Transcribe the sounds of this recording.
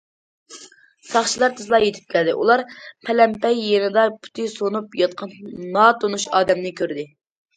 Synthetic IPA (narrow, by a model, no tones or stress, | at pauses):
sɑχʃilˠɑɾt̪ʰɨzlˠɑjet̪ʰɪ̥p̚kʲʰæld̪ɪʔṵlˠɑɾpʰɛlɛmpɛjːenɪd̪ɑpʰy̥t̪ʰɪsonupjɑt̪̚qʰɑnnɑt̪ʰonuʃɑːd̪ɛmnɪkʲʰøɾd̪ɪ